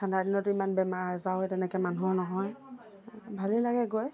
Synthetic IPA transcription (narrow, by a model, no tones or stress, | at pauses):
tʰandadinɔtʊimanbɛmaɹzawɛtɛnɛkɛmanunɔɦɔj | bʱalilaɡɛɡoj